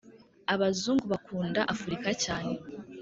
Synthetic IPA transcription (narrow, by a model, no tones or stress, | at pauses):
aβazuːŋɡuβakʰuːndaʔafuɾikacaːne̞